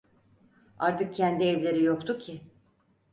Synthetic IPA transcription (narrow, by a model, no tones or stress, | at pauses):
aɾt̪ʰɯk̚cʰænd̪iɛvlʲe̞ɾijo̞kt̪ʰucʰɪ